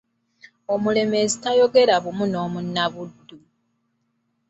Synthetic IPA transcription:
o̞mule̞me̞zitajo̞ɡe̞ɾaβumuno̞ːmunːaβudːu

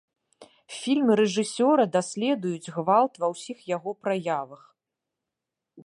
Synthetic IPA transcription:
fʲilʲmɨɾɛʐɨsʲɔɾɐd̪asʲlʲɛd̪ujud͡zʲɣvalˠt̪vɐwsʲixjaɣɔpɾajavɐx

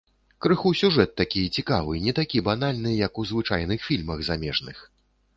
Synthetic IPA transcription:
kɾɨxusʲuʐɛt̪ːakʲijɛt͡sʲikavɨnʲɛt̪akʲiban̪alʲnɨjɐkuzvɨt͡ʂa̰jnɨxfʲilʲmɐɣzamʲɛʐnɨx

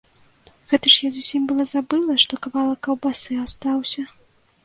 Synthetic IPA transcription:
ɣɛt̪ɐʂjazusʲimʲbɨlˠɐzabɨlˠɐʂt̪ɔkavalˠɐkɐwbasɨast̪awsʲɐ

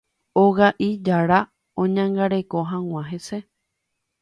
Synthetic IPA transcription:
oɣaʔid͡ʒaɾa | õɲãŋɡaɾe̞ko̞ɦãw̃ʷãɦese

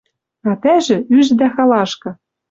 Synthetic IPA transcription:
ɑt̪æʒɘ̆yʒd̪æxɑlɑʃkɤ̆

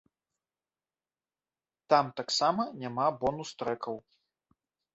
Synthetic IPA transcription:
t̪amt̪aksamɐnʲamabɔnust̪ɾɛkɐw

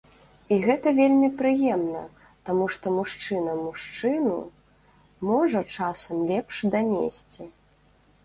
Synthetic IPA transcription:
iɣɛt̪ɐvʲelʲmʲipɾɨjɛmnɐ̰ | t̪amuʂt̪ɔmuʂt͡ʂɨnɐmuʂt͡ʂɨnṵ | mɔʐɐt͡ʂasɐmlʲɛpʂd̪anʲḛsʲt͡sʲi

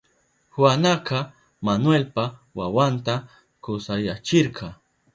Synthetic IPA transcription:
hwanaqɑ | manwelpawawant̪a | kʊsajat͡ʃɪɾqʰɑ

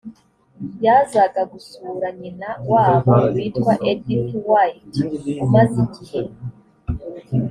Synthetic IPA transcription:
jaːzaɡaɡusuɾaɲinawaβawiːtkwaʔedipwajitumaziɟihe

